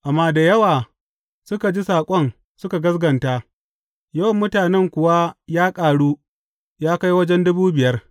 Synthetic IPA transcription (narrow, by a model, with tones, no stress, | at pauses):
ʔa˨mːaː˦da˨jɐ˦waː˨ | sʊ˦ka˨d͡ʒi˦saː˨kʷʼɔ˦n | sʊ˦ka˨ɡɐ˦sɡɐ˨nta˦ | jɐ˦wɐ˨mːʊ˦taː˨nɛ˦ŋkʷʊ˨wa˦jaː˦kʼaː˨ɽuː˦ | jaː˦ka˦jwɐ˦d͡ʒɛ˦ndʊ˦buː˦bɪ˨jɐ˦r